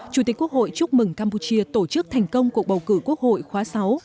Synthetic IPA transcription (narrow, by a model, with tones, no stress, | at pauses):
t͡ɕu˧˩t̪i̟˨˩ku˦˥ək̚ho̰˧˨jt͡ɕʊ˦˥k̚mɨ˨˧˩ŋkaː˧mpu˧t͡ɕi˧ət̪o˧˩t͡ɕɨ˦˥k̚t̪ʰa˨˩jŋ̟kə˧wŋ͡mku˨˩əɓə˨˩wkɨ˧˩ku˦˥ək̚ho̰˧˨jxwaː˨˦sa˨˦w